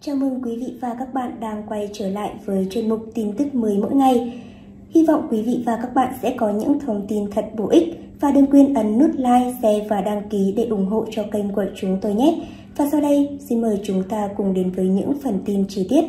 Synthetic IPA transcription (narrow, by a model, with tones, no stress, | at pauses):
t͡ɕaː˧˩wmʔɨ˧nkwi˨˦vḭ˧˨vaː˨˩kaː˦˥k̚ɓa̰ː˧˨nɗaː˧ŋkwa˧jt͡ɕəː˧˩la̰ː˧˨jvəː˨˦jt͡ɕwe˧˩nmʊ˨˩k͡p̚t̪i˧nt̪ɨ˦˥k̚məː˨˦əjmo̰˧˥jŋa˨˩j | hi˧va̰˧˨wŋ͡mkwi˨˦vḭ˧˨vaː˨˩kaː˦˥k̚ɓa̰ː˧˨nsɛ̰˧˥kɔ˨˦ɲɨ̰˧˥ŋt̪ʰə˧wŋ͡mt̪i˧nt̪ʰə˨˩t̚ɓo˧˩ʔï˦˥k̟̚ | vaː˨˩ɗəː˨˧əŋkwi˧ənʔə˨˦nːu˦˥t̚laː˧jsɛ˧vaː˨˩ɗaː˧ŋki˨˦ɗe˧˩ʔʊ˧˩ŋ͡mɦo̰˧˨t͡ɕɔ˧kə˧jŋkwə̰˧˨˩t͡ɕʊ˨˦ŋ͡mt̪o˧jɲɛ˦˥ | vaː˨˩sa˧wɗə˧jsi˧nməː˨˩jt͡ɕʊ˨˦ŋ͡mt̪aː˧kʊ˨˩ŋ͡mɗe˨˦nvəː˨˦jɲɨ̰˧˥ŋfə˨˩nt̪i˧nt͡ɕi˧t̪i˦˥ət̚